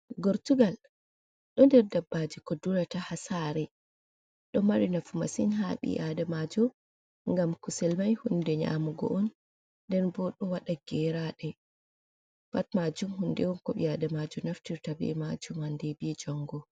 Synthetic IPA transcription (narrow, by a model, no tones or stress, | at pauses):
ɡoɾtuɡal | ɗɔndɛɾdabːad͡ʒikɔduɾatahasaːɾɛ | ɗɔmaɾinafumasinɦaɓḭjʔadamad͡ʒɔ | ŋɡamkusɛlmajhundɛɲa̰muɡɔ̰ʔɔn | ndɛnbɔɗɔwaɗaɡ̥ɛɾaɗɛ | fatmad͡ʒumhundɛwɔnkɔɓḭadamad͡ʒɔnaftiɾtabɛ̰mad͡ʒumhandɛbid͡ʒɔŋɡɔ